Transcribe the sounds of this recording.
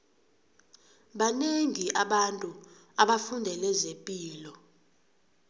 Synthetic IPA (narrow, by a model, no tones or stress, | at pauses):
ɓaneŋiʔaɓantʼu | aɓafundʱɛlɛzempʼiːlɔ